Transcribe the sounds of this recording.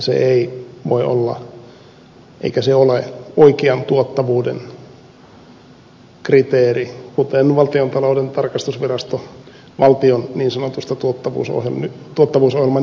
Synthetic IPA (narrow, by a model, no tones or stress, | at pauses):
sḛʔeiʋo̰iʔo̰lːɑ̰ | ʔḛikæseoleoikiɑnt̪uot̪ːɑʋuːdḛn | krit̪eːrikut̪enʋɑlt̪iont̪ɑloudent̪ɑrkɑst̪usʋirɑst̪o | ʋɑlt̪ionniːnsɑnot̪ust̪ɑt̪uot̪ːɑʋṵːso̰helnyt̪uot̪ːɑʋuːsohjilmɑ